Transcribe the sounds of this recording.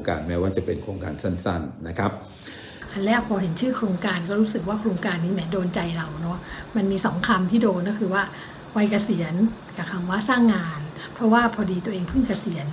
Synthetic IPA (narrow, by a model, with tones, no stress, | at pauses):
ŋka̰ː˧nmɛː˥˩waː˥˩t͡ɕa˨˩pe˧nkʰɾoː˧ŋka̰ː˧nsa˥˩nsa̰˥˩nːa˦˥kʰɾa˦˥p̚ | ʔa˧nlɛ˦˥pʰɔː˧ɦe˩˦nt͡ɕʰɯː˥˩kʰɾoː˧ŋkaː˧nkɔː˥˩ɾuː˦˥sɯ˨˩k̚waː˥˩kʰɾoː˧ŋkaː˧nːiː˦˥mɛː˦˥doː˧nt͡ɕa˧jɾa˧wnɔ˦˥ma˧nmiː˧sɔ˩˦ŋkʰaː˧mt̪ʰiː˥˩doː˧nkɔː˥˩kʰɯː˧waː˥˩ | wa˧jka˧si˩˦ənkaː˨˩kʰa˧mwaː˦˥˩saː˥˩ŋːaaː˧n | pʰɾɔ˦˥waː˥˩pʰɔː˧diː˧t̪u˧əʔeː˧ŋpʰɯ˥˩ŋka˧si˩˦ən